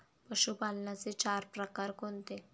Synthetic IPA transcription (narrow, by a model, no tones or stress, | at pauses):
pəɕupalnat͡set͡ɕaɾpɾəkaɾkont̪e